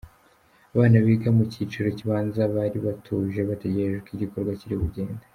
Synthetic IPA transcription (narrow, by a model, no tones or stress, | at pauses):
aβaːnaβiːɡamucit͡ʃiɾo̞ciβaːnzaβaːɾiβatʰuʒe̞βate̞ɟe̞ɾeʒekiɟiko̞ɾɡwaciɾiβuɟe̞ːnda